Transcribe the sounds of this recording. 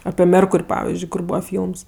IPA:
ɐpʲɪ ˈmʲɛrkʊrʲ ˈpɑːʋʲɪzʲd͡ʒʲʊɪ kʊr ˈbuːʋɐ ˈfʲiːlˠms

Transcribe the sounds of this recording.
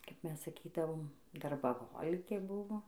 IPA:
kɐp ˈmʲɛs sɐˈkʲiːdɐʋoːm dɐrbɐˈɣoːlʲɪkʲeː ˈbʊʋoː

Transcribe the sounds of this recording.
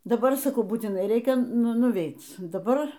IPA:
dɐˈbɐr sɐˈkɐʊ buːtʲɪˈnɐɪ ˈrʲɛɪkʲɛ nʊˈʋʲɛɪt dɐˈbɐr

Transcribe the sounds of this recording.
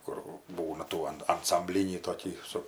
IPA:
ˈkʊr ˈbuːnɐ ˈtuː ɐn ɐnsɐmʲˈbʲlʲɪnʲiː toːˈkʲiː sʊ

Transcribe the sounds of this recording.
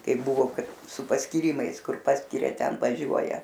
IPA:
ˈkɐɪp bʊˈʋoː ˈkɐt sʊ pɐsʲkʲiːrʲˈɪmɐɪs ˈkʊr ˈpɑːsʲkʲɪrʲɛ ˈtʲɛn ʋɐˈʒʲuɔjɛ

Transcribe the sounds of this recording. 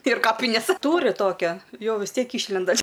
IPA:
ɪr ˈkɑːpʲɪnʲeːs ˈtuːrʲɪ ˈtoːkʲɛ ˈjɛʊ ʋʲɪs ˈtʲiɛk ˈiːʃʲlʲɛndɐ

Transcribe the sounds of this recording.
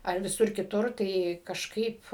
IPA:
ɐr ʋʲɪˈsʊr kʲɪˈtʊr ˈtɐɪ kɐʃˈkɐɪp

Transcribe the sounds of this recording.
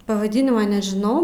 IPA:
pɐʋɐˈdʲɪnʲɪmɐ nʲɛʒʲɪˈnɐʊ

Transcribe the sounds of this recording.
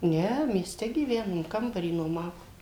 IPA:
ˈnʲɛ mʲiɛˈsʲtʲɛ ɡʲiːˈʋʲæːnoːm ˈkɐmbɐrʲiː nuɔˈmɑːʋoː

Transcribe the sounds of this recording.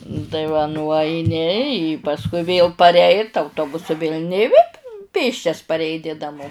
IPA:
tɐɪ ʋɐ nʊɐɪˈnʲɪ ɪ pɐsˈkʊɪ ʋʲeːlˠ pɐrʲˈɛɪt ɐʊˈtoːbʊsʊ ʋʲeːlʲ nʲeː ɪ ʋʲeː ˈpʲeːsʲt͡ʃʲɛs pɐrʲɛɪˈnʲɪ nɐˈmoː

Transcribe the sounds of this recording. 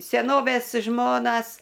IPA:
sʲɛˈnoːʋʲeːs ˈʒmoːnɐs

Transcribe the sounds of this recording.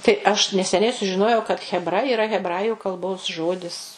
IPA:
tɐɪ ˈɐʃ nʲɛsʲɛˈnʲɛɪ sʊʒʲɪˈnoːjɛʊ kɐt xʲɛbˈrɐ ɪˈrɐ ɣʲɛbˈrɑːjʊ kɐlˠˈboːs ˈʒoːdʲɪs

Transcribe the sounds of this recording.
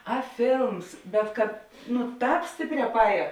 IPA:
ɐ ˈfʲeːlˠms bʲɛt kɐt nʊ ˈtɑːp ˈsʲtʲeːpʲˌrʲɛː pɐˈɛːjɛ

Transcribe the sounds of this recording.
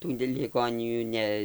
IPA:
ˈtuː lʲɪˈɡoːnʲɪjuː ˈnʲɛ

